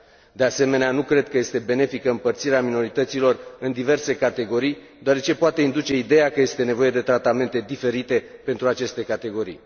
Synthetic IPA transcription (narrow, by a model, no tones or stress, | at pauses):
d̪e̞ase̞me̞neanukɾe̞d̪̚kəje̞st̪e̞be̞ne̞fikəɨmpərt̪siɾeamino̞ɾit̪ət̪silo̞rɨnd̪ive̞rse̞kat̪e̞ɡo̞ɾij | d̪oaɾe̞t͡ʃe̞poat̪e̞ind̪ut͡ʃe̞id̪e̞jakəje̞st̪e̞ne̞vo̞je̞d̪e̞t̪ɾat̪ame̞nt̪e̞d̪ife̞ɾit̪e̞pe̞nt̪ɾuat͡ʃe̞st̪e̞kat̪e̞ɡo̞ɾḭj